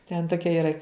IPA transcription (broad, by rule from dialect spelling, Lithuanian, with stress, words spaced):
tʲɛn ˈtoːkʲɛ iːˈrɐ